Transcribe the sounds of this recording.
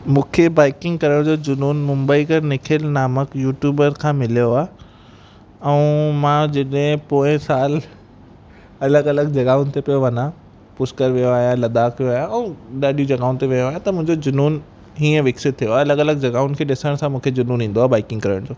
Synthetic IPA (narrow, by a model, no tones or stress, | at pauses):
mũːkʰebaːɪkɪ̃ŋɡkɐɾəɽ̃d͡ʑoːd͡ʑʊnuːnmʊ̃mbəikɐɾnɪkʰelnaːməkjuːʈjuːbəɾkʰãmɪlijoaː | ɛũmãd͡ʑɐɗɦɪ̃poːɪ̃saːl | ɐləɡɐləɡd͡ʑɐɡaːʊnt̪ʰepijoʋɐɲã | pʊskəɾʋijoaːɦijãlɐd̪aːkʋijoaːɦjãɛ̃ũɗaːɗijũd͡ʑɐɡaːʊ̃nt̪ʰiʋijoaːjãt̪ɐmʊ̃ɦɪ̃ɲd͡ʑod͡ʑʊnuːn | ɦiːə̃ʋɪksɪt̪t̪ʰːijoaːɐləɡɐləɡ̚d͡ʑɐɡaːʊnkʰeːɗɪsəɽ̃sãmũːkʰed͡ʑʊnuːnĩːn̆d̪oaːbaːɪkɪ̃ŋɡkɐɾəɽ̃d͡ʑoː